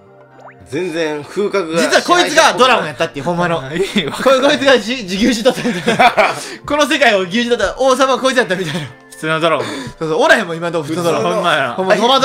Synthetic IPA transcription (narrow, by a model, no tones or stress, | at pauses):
d͡zẽnd͡zẽɸɯ̟ːkakɯd͡ʑit͡st͡sɨβako̞it͡sɨɡad̪o̞ɾamojat̪ːat̪ːeiɯ̟hõmːanokokoit͡sɨɡaid͡ʑiɡʲɨːʑit̪ot̪ːat̪e | ko̞nos̬e̞kaioɡʲɨːʑid̪at̪ːaʔoːs̬amako̞it͡sɨjat̪ːamit̪aina | ɸɯ̥t͡sɨːnod̪oɾasoːsoːoɾahemːoimant̪oɸɯɨnodoaa̰omːahomːad̪